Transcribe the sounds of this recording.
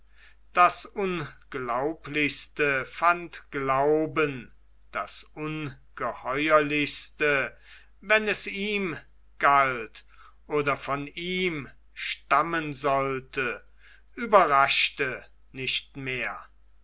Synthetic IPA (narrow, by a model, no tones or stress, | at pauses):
d̥asʔʊnɡ̥laʊplɪçstəfantɡ̥laʊbən | d̥asʔʊnɡ̥əhɔʏɐlɪçstə | vɛnɛsiːm | ɡ̥alt | ʔoːdɐfɔniːm | ʃtamənzɔltə | ʔyːbɐʁaʃtə | nɪʃtmeːɐ